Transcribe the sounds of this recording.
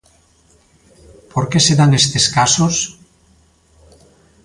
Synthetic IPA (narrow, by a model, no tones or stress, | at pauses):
poɾkeseðaŋest̪eskasos